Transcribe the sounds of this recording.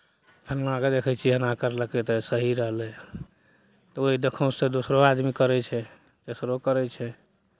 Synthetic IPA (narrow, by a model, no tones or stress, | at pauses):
bʱənlaked̪ekʰɛjt͡ʃʰiɦənakəɾləkɛt̪ɛsəɦiɾəɦlɛ | t̪ɔoɦid̪ekʰə̃w̃sed̪osɾoad̪mikəɾɛt͡ʃʰɛ | t̪esɾokəɾɛt͡ʃʰɛ